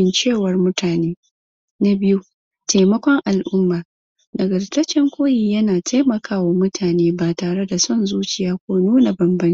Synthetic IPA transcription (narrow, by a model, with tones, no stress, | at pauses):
ɪ˨nt͡ʃeː˦˨wɐ˨rmʊ˦tʰaː˨neː˦ | na˦bɪ˦ju˦ | ta˨mɐ˦kʷɔ˦ŋʔa˨lʔʊ˦mːaː˨ | dɐ˨ɡɐ˨dtɐ˦t͡ʃɛ˦ŋkʷoː˦ji˨jɐ˦naː˨tʰa˦jmɐ˨kaː˦waː˨mʊ˦tʰaː˨neː˦baː˨taː˨ɽe˦da˨sɔ˦˨nzuː˦t͡ʃɪ˨jaː˦kʷoː˦nuː˦na˨bɐ˨mbɐ˦n˦